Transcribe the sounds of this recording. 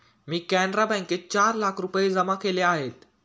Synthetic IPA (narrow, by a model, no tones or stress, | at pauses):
miːkænɾabɛ̃ŋket͡ɕaɾlakʰɾupjed͡zəmakeleaɦet̪